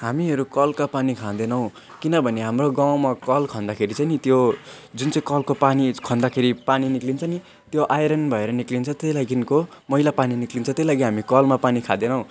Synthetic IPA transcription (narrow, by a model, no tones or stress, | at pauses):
hamiɦʌɾukʌlkapanikʰãd̪enʌw̃ | kinʌbʱʌneɦamroɡaw̃makʌlkʰʌ̃nd̪akʰeɾit͡sʌjnit̪jod͡zunt͡sʌĩkʌlkopanikʰʌ̃nd̪akʰeɾipaniniklint͡sʰʌni | t̪joʔajɾʌnbʱʌeɾʌniklint͡sʰʌt̪ʌjlaɡinkomʌɦilapaniniklint͡sʰʌt̪ʌlaɡiɦamikʌlmapanikʰad̪enʌw̃